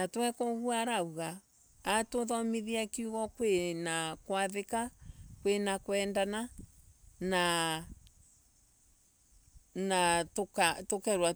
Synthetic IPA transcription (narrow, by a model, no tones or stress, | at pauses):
natwɛkɔɣuaɾauɣaː | toðɔmiðiakiuɣɔkwenakwaðekakwenakwɛndana | na | natokatokɛɾwa